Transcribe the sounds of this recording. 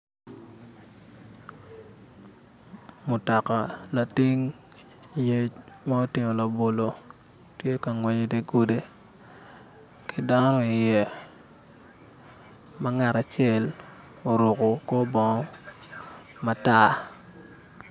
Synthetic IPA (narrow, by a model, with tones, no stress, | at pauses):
mʊ˨tɔ˨ka˨la˨ti˦ŋ˨ | je˦t͡ʃma˦o˦tɪ˨mo˨la˨bo˨lo˨ | tje˦ka˨ŋwɛ˨ɲe˨de˦ɡo˦de˦ | kɪ˦da˦nɔ˦ɪ˨jɛ˨ | ma˦ŋa˨ɾa˨t͡ʃjɛ˦˨l | o˨ɾo˨ko˨ko˦bɔ˨ŋɔ˦ | ma˨ta˦˨